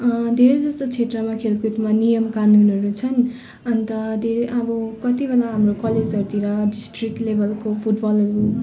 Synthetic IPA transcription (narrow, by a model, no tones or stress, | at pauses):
ʌd̪ʱeɾed͡zʌst̪ot͡sʰet̪rʌmakʰelkut̪manijʌmkanunʌɾut͡sʰʌn | ʌnt̪ʌd̪ʱeɾʔʌbʌkʌt̪ibelaɦamrokʌled͡zʌɾut̪iɾʌɖisʈrik̚ʈlebʌlkopʰuʈbʌlʌɾu